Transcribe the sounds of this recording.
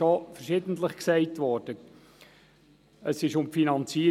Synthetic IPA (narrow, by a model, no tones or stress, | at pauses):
ɔfəɾʃɪdəntləχksɛɪtʋɔːɾd̥ə | əsɪʃʊmfinɑnt͡siː